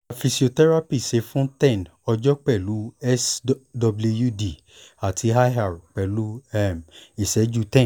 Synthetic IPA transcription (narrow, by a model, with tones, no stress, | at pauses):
a˨fi˧si˨o˨˧tɛ˦ɾa˦pi˦˨se˨˧˦fũ˦tɛ̃˦˨nɔ˧d͡ʒɔ˦k͡pɛ˦˨lu˨˦ɛ˦sdɔ˧blu˧ju˦˨di˨ | a˨ti˨˧ɦa˦ɦa˨ɾk͡pɛ˨lu˦ɛ˦˨mi˨sɛ˨˦d͡ʒu˦tɛ̃˦˨